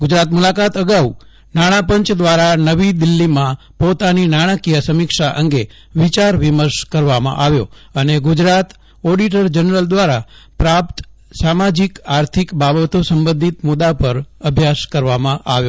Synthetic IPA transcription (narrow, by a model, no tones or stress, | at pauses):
ɡʊd͡ʒɾat̪mulakat̪əɡau | naɽ̃ãpəɲt͡ʃd̪ʋaɾanəʋid̪ɪlːimã | pot̪aninaɽ̃akijasəmikʃaʔəŋɡe | ʋit͡ʃaɾʋiməɾʃkəɾʋamã̰ʔaʋjo̰əneɡʊd͡ʒɾat̪ | ɔɖiʈəɾd͡ʒənɾəld̪ʋaɾa | pɾap̚t̪ | samad͡ʒikaɾt̪ʰikbabət̪osəmbə̃nd̪ʱit̪mud̪apəɾəbʱjaskəɾʋamãʔa̰ʋjo